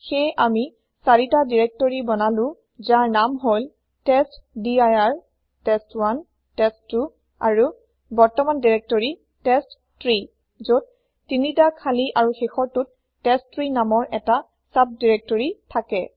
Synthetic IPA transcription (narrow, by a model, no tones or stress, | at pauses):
xejʔami | saɹitadiɹɛk̚tɔɹibɔnalʊ̃ | zaɹnamɦojl | tɛstdiajaɹ | tɛstwan | tɛstːu | a̰ɹu | bɔɹtɔmandiɹɛk̚tɔɹi | tɛstːɹi | zot̚ | tːinitakʰaliʔaɹuxexɔɹtut̚ː | ɛstɹinamɔɹʔɛta | sap̚diɹɛk̚tɔɹitʰakɛ